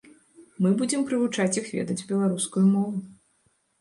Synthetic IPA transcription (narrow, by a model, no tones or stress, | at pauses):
mɨbud͡zʲɛmpɾɨvut͡ʂat͡sʲjixvʲɛ̰d̪ɐd͡zʲbʲɛlˠaɾuskujumɔvu